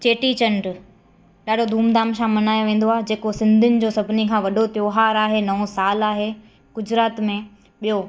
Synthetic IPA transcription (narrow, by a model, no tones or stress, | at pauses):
t͡ɕeːʈit͡ɕɐ̃ɳɖ | ɗaːɖʱod̪ʱuːmd̪aːmʃãmɐnaːjõʋẽːn̆d̪oaːɦed͡ʑeːkosɪ̃nd̪ʱʊnɪ̆d͡ʑoːsɐbʱɪnikʰãːʋɐɖʱot̪joːɦaːɾaːɦenɐõsaːlaːɦe | ɡ̥ʊd͡ʑɾaːt̪mẽ | ɓijo